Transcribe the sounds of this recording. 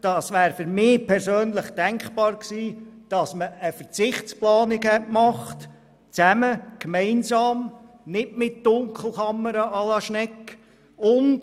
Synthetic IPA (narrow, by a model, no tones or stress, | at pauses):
d̥ɑsʋæːɾfʏɾmɪːpʰɛɾsøːnlɪχd̥æŋkχpɑːɾksiːd̥ɑsməəfəɾt͡sɪχsplɑːnɪɡɛtmɑχt | t͡sæməkmɛɪnzɑːm | nɪtmɪt̚d̥ʊŋkʰl̩ˠkɑmːəɾəʔɑlɑʃnɛkː | ʊnd